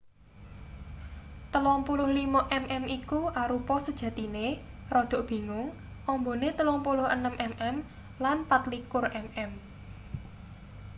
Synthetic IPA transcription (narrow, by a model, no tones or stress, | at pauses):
t̪əlɔŋpulʊhlimaʔɛmʔɛmikuʔaɾupɔsəd̥ʒ̥ä̤t̪ine | rɔd̪̥o̤ʔb̥i̤ŋʊŋ | ʔɔmbonet̪əlɔŋpulʊhə̰nəmʔɛmʔɛm | lanpat̪likʊrɛmɛm